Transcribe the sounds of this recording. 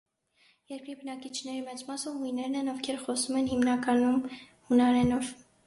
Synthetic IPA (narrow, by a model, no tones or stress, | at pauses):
jɛɾkɾibənɑkit͡ʃʰnɛɾimɛt͡smɑsɔvhujnɛɾnɛnɔfkʰɛɾχɔsumɛnhimnɑkɑnum | hunɑɾɛnɔv